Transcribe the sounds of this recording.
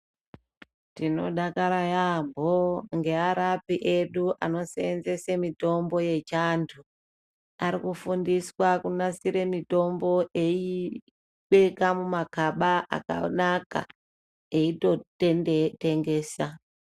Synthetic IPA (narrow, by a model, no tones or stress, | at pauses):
tino̞ɗakaɾajamboŋɡe̞aɾapiʔe̞ɗuʔa̰no̞seːnze̞semito̞mbo̞je̞t͡ʃantʰu | aɾikufundiswakunasiɾe̞mito̞mbo̞ʔei | ɓekamumakaɓaʔa̰ka̰naka̰ | eitotteŋɡe̞ːsa